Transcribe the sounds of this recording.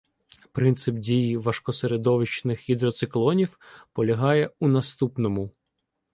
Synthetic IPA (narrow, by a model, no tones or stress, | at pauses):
pɾɪnt̪sɪpdʲijiʋɐʃkɔseɾed̪ɔʋɪt͡ʃnɪxɦid̪ɾɔt̪sɪklˠɔnʲiwpɔlʲɐɦɑjɛunɐst̪upnɔmʊ